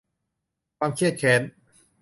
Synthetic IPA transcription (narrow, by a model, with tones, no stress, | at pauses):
kʰwaː˧mkʰi˥˩ət̪̚kʰɛː˩˦n